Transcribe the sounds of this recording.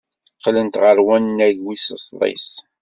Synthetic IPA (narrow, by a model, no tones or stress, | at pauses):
qlənt̪ʁəɾwænːæʝwisəsðˤɪ̰s